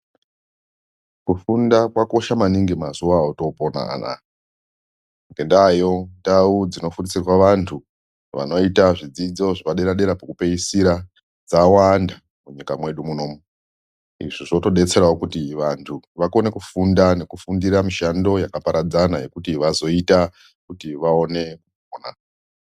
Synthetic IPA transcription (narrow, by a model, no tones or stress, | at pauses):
kufundakwako̞ʃamaniŋɡemazuwaoto̞pona̰a̰na̰ | ŋɡe̞ndajo̞ndaud͡zino̞fundisirwaʋantʰu | ʋa̰no̞itaʐid͡zid͡zo̞ʐiʋaɗe̞ɾaɗe̞ɾapakupe̞isiɾa | d͡zawanda | muɲikamwe̞ɗumuno̞ːmu | ḭʐiʐo̞to̞ɗe̞t͡se̞ɾaokutiʋantʰuʋako̞nekufundane̞kufundiɾamiʃando̞jakapaɾad͡zanaje̞kutiʋazo̞ita | kutiʋao̞ne̞kupoːna̰